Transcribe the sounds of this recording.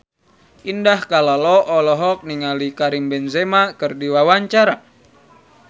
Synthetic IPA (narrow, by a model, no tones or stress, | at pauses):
ʔindahkalalɔʔɔlɔɦɔk̚niŋalikaɾimbɛnzemakɨrdiwawaɲt͡ʃaɾa